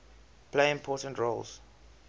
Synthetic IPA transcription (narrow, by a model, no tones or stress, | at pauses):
pʰleɪɪ̃mpʰɔˑtə̃ntɹolz̥